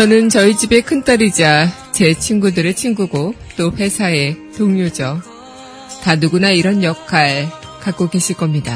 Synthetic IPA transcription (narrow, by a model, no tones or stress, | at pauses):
t͡ɕʌnɯnt͡ɕʌid͡ʑibe̞kʰɯnt͈aɾid͡ʑa | t͡ɕe̞t͡ɕʰiŋɡudɯɾeɭt͡ɕʰiŋɡuɡo | t͈oɸwe̞sʰae̞ | toŋɲod͡ʑʌ | tanuɡunaiɾʌnjʌkʰaɭ | kak͈oɡe̞ɕʰiɭk͈ʌmɲida